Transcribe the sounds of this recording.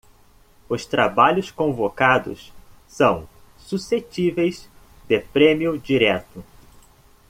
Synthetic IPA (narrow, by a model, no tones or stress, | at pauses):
ʊst̪ɾabaʎʊskõvokad̪ʊ̰s | sɐ̃w̃ | suset͡ʃivejz | d̪epɾẽmiʊd͡ʒiɾɛt̪ʊ